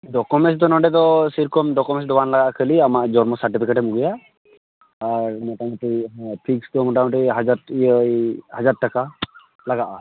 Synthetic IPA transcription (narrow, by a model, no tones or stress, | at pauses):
ɖɔkɔmes̬d̪ɔnɔɖɛt̪̬ɔsiɾkɔmɖɔkɔmɛs̬d̪ɔwanlaɡaʔkʰəliamaʔd͡ʒɔɾmɔsaɾʈipʰikeʈɛmuɡija | aɹmɔʈaŋatipʰikst̪ɔmɔʈaŋɔʈiɦad͡ʒaɾijəjhad͡ʒaɾ̚ʈːaka | laɡaʔa